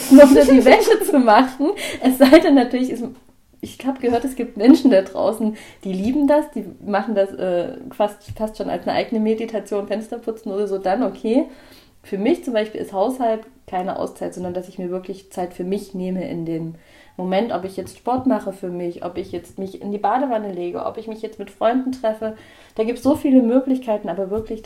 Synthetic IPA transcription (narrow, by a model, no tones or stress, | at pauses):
nɔχmuɐdiːvɛtət͡sumaχn̩ʔɛsz̥aɪdɛnːatʰyɐlɪçɪs | ɪçhaːbəɡ̥əhøːɐtɛsɡ̥iːp̚tmɛnʃn̩dadʁa̰ʊsn̩d̥iːliːbm̩dasd̥iːmaχn̩dasʔɛ̰ːfastfastʃoːnʔa̰lsnəʔa̰ɪɡənəmeditʰat͡sjoːnfɛnstɐpʰʊt͡sn̩ʔoːdɐzoːdanʔokʰeː | fyːɐmɪçt͡sʊmbaɪʃpiːlʔɪ̰sthaʊshaltkʰaɪnəʔa̰ʊst͡saɪtz̥ɔndɐndasɪçmiːɐvɪɐklɪçt͡saɪtfyːɐmɪçneːməʔɪ̰ndeːmː | omɛntʔɔpɪçjɛt͡stʃpɔɐtmaχəfyːɐmɪçʔɔ̰pɪçjɛt͡stmɪçɪ̰ndiːbaːdəvanəleːɡə̰ʔɔ̰pɪçmɪçjɛt͡stmɪtfʁ̥ɔʏndn̩tʁ̥ɛfə | d̥aːɡiːp̚tsz̥oːfiːləmøːklɪçkʰaɪtn̩ʔaːbɐvɪɐklɪç